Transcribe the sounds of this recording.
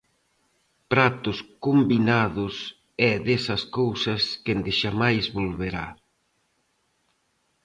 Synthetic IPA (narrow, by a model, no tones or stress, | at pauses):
pɾat̪ʊskombinaðʊs | ɛðesɐskowsɐskend̪ɪʃamajzβolβeɾa̰